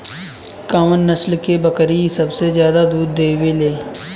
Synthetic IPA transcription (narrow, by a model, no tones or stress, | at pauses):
kãːmənːəslkebəkɾisəbsezjaːd̪ad̪uːd̪ːeːʋeleː